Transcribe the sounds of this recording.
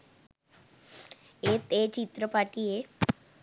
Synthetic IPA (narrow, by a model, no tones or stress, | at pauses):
et̪et͡ɕit̪ɾəpaʈije